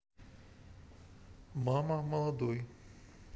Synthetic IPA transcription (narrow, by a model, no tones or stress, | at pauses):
mamɐmɐlˠɐd̪ɔj